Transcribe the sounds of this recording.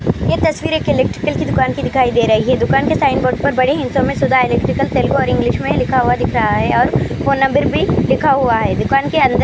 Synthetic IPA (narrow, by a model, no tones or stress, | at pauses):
jet̪ɐsʋiːɾeːkɪleːkʈɾɪkəlkid̪ʊkaːnkid̪ɪkʰaːid̪eːɾɐɦiɦɛd̪ʊkaːnkesaːɪnboːɖ̚pɐɾbɐɽeɦɪ̃nsõmẽsʊd̪ʱaɪleːkʈɾɪkəlt̪eːlɡoɔːɾɪ̃ŋɡlɪʃmẽlɪkʰaɦʊad̪ɪkʰɾɐɦaɦɛɔːɾfoːnːɐ̃mbəɾbʱilɪkʰaɦuaɦɛːd̪ʊkaːnkeɐ̃nd̪ə